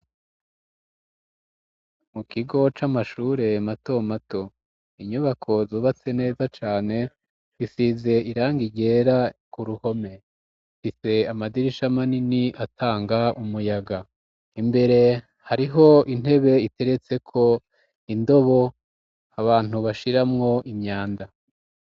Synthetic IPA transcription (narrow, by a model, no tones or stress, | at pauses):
mukiɡo̞t͡ʃamaʃuːɾe̞mato̞mato̞ | iɲuβakʰo̞zoːβat͡se̞ne̞ːzat͡ʃaːne̞ | βisize̞iɾaːŋɡiɟe̞ːɾakuɾuho̞me̞ | fise̞amadiɾiʃamaniniʔatʰaːŋɡaumujaɡa | imbe̞ɾe̞ | haɾiɦo̞in̥he̞βe̞ite̞ɾe̞t͡se̞kʰo̞ | indo̞βo̞ | aβaːn̥uβaʃiɾamŋo̞ʔimɲaːnda